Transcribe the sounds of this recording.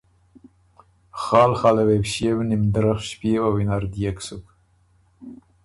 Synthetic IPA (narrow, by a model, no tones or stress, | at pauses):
xɑːlxɑlawewʃewnimd̪ɾaxʃpewawinaɾd̪ijaksuk